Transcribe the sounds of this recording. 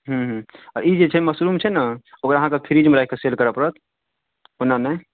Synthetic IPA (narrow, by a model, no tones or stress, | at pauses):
ɦũɦɔɾid͡ʒet͡ʃʰɛməsɾumt͡ʃʰɛnaokɾəɦãkepʰiɾid͡ʒmeɾaikeselkəɾəpəɾət̪̚ʰ | onanə